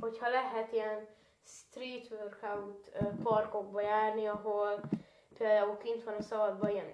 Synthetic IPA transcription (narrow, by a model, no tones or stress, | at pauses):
hochɒlɛɦɛt̪ijɛn | st̪riːt̪ʋørkawt̪ːpɒrko̞ɡ̚bɒjaːrniɒɦol | peːld̪aːulkint̪ʋɒnɒsɒvɒd̪̚bɒiɛn